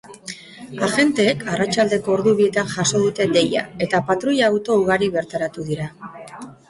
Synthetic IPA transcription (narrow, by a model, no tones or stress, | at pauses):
aʝe̞nt̪e̞ːkʰarat͡ʃald̪e̞ko̞ːɾðuβie̞t̪anʝaso̞ð̞ut̪e̞d̪e̞ja̰e̞t̪apat̪ɾuʎaːwt̪o̞uɣ̞aɾiβe̞ɾt̪aɾat̪uðiɾa